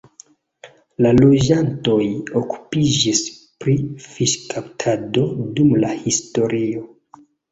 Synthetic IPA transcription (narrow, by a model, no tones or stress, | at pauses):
lalo̞d͡ʒanto̞joku̥pid͡ʒispɾifiʃkaptʰado̞dumlahisto̞ɾio